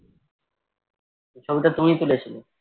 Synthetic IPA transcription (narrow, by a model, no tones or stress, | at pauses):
eʃʰobiʈat̪umit̪ulet͡ɕʰilo